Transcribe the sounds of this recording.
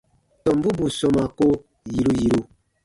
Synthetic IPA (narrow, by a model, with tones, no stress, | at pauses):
tɔ˨m̩˦bu˦bu˨sɔ˨ma˨ko˦ | ji˨ɾu˦ji˨ɾu˦